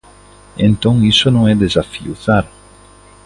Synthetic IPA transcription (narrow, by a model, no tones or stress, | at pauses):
ḛ̃nt̪õŋisonõŋɛd̪ezafḭuθaɾ